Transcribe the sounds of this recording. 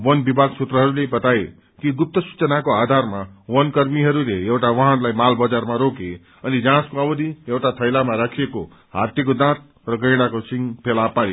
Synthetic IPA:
wʌnbibʱaɡsut̪rʌɦʌɾulebʌt̪ae | kiɡup̚t̪ʌsu̥t͡sʌnakoad̪ʱarmawʌnkʌrmiɦʌɾuleewʈawʌ̃ɦãnlajmalbʌd͡zarmaɾoke | ʌnid͡zãskoʌbʌd̪ʱijewʈat̪ʰʌjlamaɾakʰieko | ɦa̰t̪ikod̪ãt̪̚ | rʌɡʌjɽakosiŋpʰelapaɾe

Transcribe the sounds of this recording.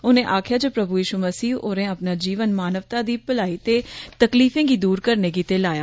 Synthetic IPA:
ʊnẽːʔaːkʰjaːd͡ʒəpɾəbujiːʃuməsiːoːɾẽːəpnaːd͡ʒiːʋənmaːnəʋt̪ãːd̪iːpəlaːiːt̪eːt̪əkliːfẽːɡiːd̪uːɾkəɾneːɡ̬it̪eːlaːjaː

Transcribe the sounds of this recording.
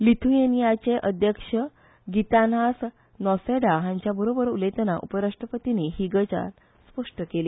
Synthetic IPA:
lit̪ʰuenijat͡ɕeʔəd̪ʱjəkʂə | ɡit̪anas | nɔseɽaɦãɲt͡ɕjabəɾobəɾulet̪ənaʔṵpəɾaʂʈɾəpət̪iniɦiɡət͡ɕa̰l | spəʂʈəkeliː

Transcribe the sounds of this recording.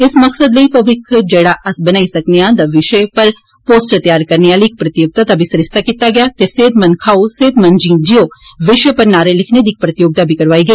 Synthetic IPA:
ɪsmɐksəd̪lɐipɐʋɪkʰd͡ʒɛːɽaʔɐsbɐnaːisɐkneãːnd̪ɐʋɪʃəpɐɾ | poːsʈt̪jaːɾkɐɾneaːliːk̚pɾɐt̪ɪjoːɡ̚t̪at̪abʱisɾɪst̪ʰakiːt̪aɡɐjat̪eseːd̪mɐ̃n̚kʰaːoseːd̪mɐ̃nd͡ʒĩːnd͡ʒijoʋɪʃepɐɾnaːɾelɪkʰned̪iːk̚pɾɐt̪ɪjoːɡ̚t̪abʱikɐɾʋaːiɡɐi

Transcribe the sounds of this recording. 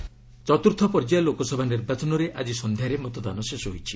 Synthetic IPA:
t͡ʃɔt̪uɾt̪ʰɔpɔɾd͡ʒalokɔsɔbʱaniɾbat͡ʃɔnɔɾeʔad͡ʒisɔnd̪ʱjaɾemɔt̪ɔd̪a̰nɔsesɔɦojt͡ʃʰi

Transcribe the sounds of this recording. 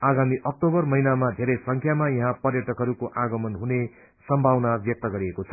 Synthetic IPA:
aɡamiʔʌk̚ʈobʌrmʌinamad̪ʱeɾʌjsʌŋkʰjamajʌ̃ɦãpʌrjʌʈʌkɦʌɾukoʔaɡʌmʌnɦune | sʌmbʱawnabjʌk̚t̪ʌɡʌɾiekot͡sʰʌ̥

